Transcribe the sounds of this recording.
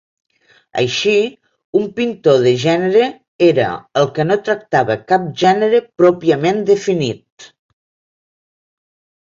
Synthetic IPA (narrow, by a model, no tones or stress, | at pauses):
ə̰jʃi | umpint̪oðəʒɛnəɾə | eɾə̰əlˠkənot̪ɾək̚t̪aβəkap̚ʒɛnəɾəpɾɔpiəmend̪əfinit̪̚